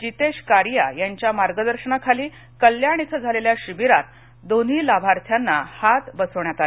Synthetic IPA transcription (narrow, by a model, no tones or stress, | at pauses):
d͡ʑit̪eɕkaɾja̰jaɲt͡ɕjamaɾɡəd̪əɾɕəɳakʰaliː | kəljaɽ̃it̪ʰəd͡zʱaleljaɕibiɾat̪ | d̪on̤iːlabʱaɾt̪ʰjanːa̰hat̪bəsəʋɳjat̪ale